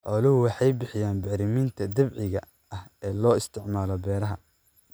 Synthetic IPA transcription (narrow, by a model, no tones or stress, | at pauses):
ħɔːlɪɦʊwɑħɑjbɪħɪjaːnbɛɾɪmɪnt̪ʰɐd̪ɐβʕɪɣɐ | ɐhɛːlɔːɪst̪ʰɪʕmaːlɔbɛːɾɐɦɐ